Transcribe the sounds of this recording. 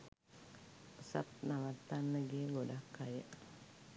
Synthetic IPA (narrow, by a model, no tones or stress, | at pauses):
əsa̰t̪̚naʋat̪ːanːəɡeəɡodakːajə